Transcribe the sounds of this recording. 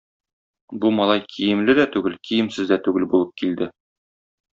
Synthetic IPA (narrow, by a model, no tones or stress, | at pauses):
bumɒlˠɑjkʰijɘ̆mlɘd̪æt̪ʉɡɘlkʰijɘ̆msɘzd̪æt̪ʉɡɘlbulˠɤp̚kild̪ɘ